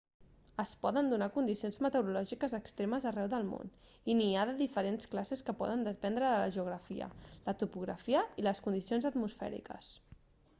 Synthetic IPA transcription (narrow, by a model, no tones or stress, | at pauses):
əspɔðənd̪unakund̪isionzmət̪əwɾulɔʒikəzəkst̪ɾeməzərɛwðəlˠmo̰n | iniaðəðifəɾensklaseskəpɔ̰ðənd̪əpɛnd̪ɾəðələ̰ʒuɣ̞ɾəfḭə̰lət̪upuɣɾəfiəiləskund̪isionzət̪musfɛ̰ɾḭkə̰s